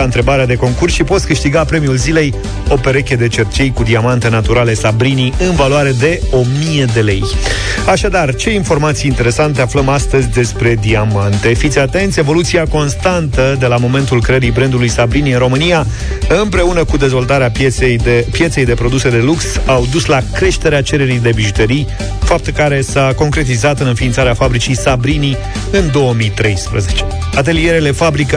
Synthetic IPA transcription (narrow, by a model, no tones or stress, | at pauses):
aɨnt̪ɾe̞baɾead̪e̞ko̞ŋkursʃipo̞t̪sʲkɨʃt̪iɡapɾe̞miulzile̞j | o̞pe̞ɾe̞kʲe̞d̪e̞t͡ʃe̞rt͡ʃejkud̪iamant̪e̞nat̪uɾale̞sabɾiniɨnvalwaɾe̞d̪e̞o̞mije̞d̪e̞le̞j | aʃad̪art͡ʃe̞info̞rmat̪sijːnt̪e̞ɾe̞sant̪̬e̞afləmast̪əzʲd̪e̞spɾe̞d̪iamant̪e̞fit̪sʲat̪e̞nt̪sʲevo̞lut̪siako̞nst̪ant̪əd̪e̞lamo̞me̞nt̪ulkɾeəɾijbɾend̪ulujsabɾiniɨnɾo̞mɨnija | ɨmpɾe̞unəkud̪e̞zvo̞lt̪aɾeaepje̞t̪se̞jd̪e̞pɾo̞d̪use̞d̪e̞luksawd̪uslakɾe̞ʃt̪e̞ɾeat͡ʃe̞ɾe̞ɾijd̪e̞biʒut̪eɾij | fap̚t̪ukaɾe̞sako̞ŋkɾe̞t̪̬izat̪ɨnɨnfint̪saɾeafabɾit͡ʃijsabɾini | ɨnd̪o̞wəmijt̪ɾe̞jspɾə̰ze̞t͡ʃe̞̥ | at̪̬e̞lije̞ɾele̞fabɾikə